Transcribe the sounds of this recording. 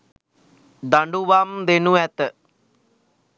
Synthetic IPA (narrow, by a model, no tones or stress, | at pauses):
d̪aɳɖuʋamd̪enuɛt̪ə